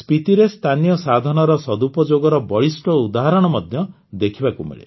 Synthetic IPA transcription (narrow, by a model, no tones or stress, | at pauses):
spit̪iɾest̪ʰanijɔsad̪ʱɔnɔɾɔsɔd̪upɔd͡ʒoɡɔɾɔbɔɭisʈɔud̪aɦaɾɔɽ̃ɔmɔd̪ʱjɔ | d̪ekʰibakumḛɭḛ